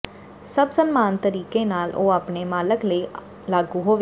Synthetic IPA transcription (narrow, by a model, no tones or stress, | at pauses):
səbsənmaːnt̪əɾiːkeːnaːlʔoːaːpneːmaːləkləiː | laːɡuːɦoːʋ